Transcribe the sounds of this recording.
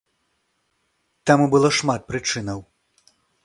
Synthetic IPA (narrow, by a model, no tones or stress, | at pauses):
t̪amubɨlˠɔʂmat̪̚pɾɨt͡ʂɨnɐw